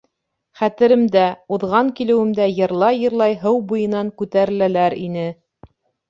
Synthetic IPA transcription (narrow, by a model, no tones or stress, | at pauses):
χæt̪ɘ̆ɾɘ̆md̪æuðʁɑŋkilɘ̆wɘ̆md̪æjɤ̆ɾlˠɑjːɤ̆ɾlˠɑjɦɤwbujɤ̆nɑŋkʉt̪æɾɘ̆lælæɾḭnɘ